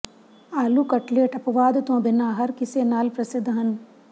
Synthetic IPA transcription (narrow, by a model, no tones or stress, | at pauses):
aːluːkɐʈleːʈɐpɐʋaːd̪t̪õbɪnaːɦɐɾkɪseːnaːlpɾɐsɪd̪ʱɦɐn